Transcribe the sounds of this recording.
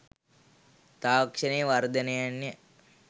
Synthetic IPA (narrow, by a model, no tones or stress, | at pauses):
t̪aːkʂəneːʋard̪ənəjanːə